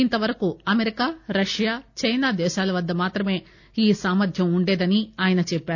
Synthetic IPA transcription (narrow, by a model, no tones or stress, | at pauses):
int̪ɐʋɐɾɐkuɐmeɾikaːɾɐʂjaːt͡ʃɐjnaːd̪ɛːʃaːlɐʋɐd̪ːɐmaːt̪ɾɐme̞ː | iːsaːmɐd̪ʰʱjɐmuɳɖeːd̪ɐniaːjɐnɐt͡ʃɛpːaːɾu